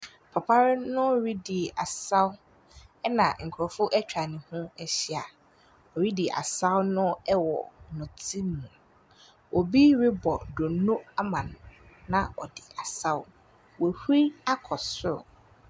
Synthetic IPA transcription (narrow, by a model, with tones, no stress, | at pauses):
pʰa˨pʰa˦ɾɪ˦nʊ̃˦ɾi˦dɪ˨a˨sa˦w | ɛ˦nã̰˨ŋ̩˨kʰʊ˨ɾɔ˨fʊ˦ʔɛ˦t͡ɕᶣa˨nɪ̃˨hʊ̃˦ɛ˦ɕi˦a˨ | ɔ˨ɾi˦dɪ˨ʔa̰˨sa˦wnʊ̃˦ɛ˦wɔ̰˨nʊ̃˨tʰi˦mũ˨ | ʔɔ˨bi˦ɾɪ˦bɔ˨do˨no˦a˦mã˨nːã˨ɔ˨dɪ˨a˨sa˦ʊ˦ | wɔ˨hɾi˦a˦kʰɔ˨sʊ˦ɾʊ̰˨